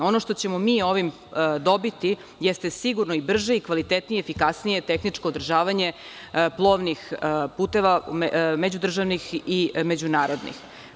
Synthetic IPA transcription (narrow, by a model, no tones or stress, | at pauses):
o̞noʃt̪o̞t͡ɕe̞momiːo̞ʋim | d̪o̞bit̪i | jɛst̪esiɡuɾnoibr̩ʒeikʋalit̪et̪nijeefikasnije̞t̪exnit͡ʂkoːd̪r̩ʒaːʋaɲe̞ | plˠo̞ʋnixpuːt̪e̞ʋame̞d͡ʑud̪r̩ʒaʋnixime̞d͡ʑunaːɾo̞d̪nḭx